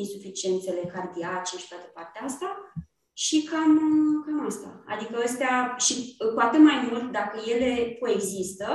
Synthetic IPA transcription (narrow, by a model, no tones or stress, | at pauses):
isufit͡ʃie̞nt̪se̞le̞kard̪iat͡ʃeʃi̥t̪oat̪əpart̪eaast̪a | ʃikamkaməst̪a̰a̰d̪ikəəst̪eaʃikuat̪ɨt̪majmult̪d̪akəje̞le̞koe̞ɡzist̪ə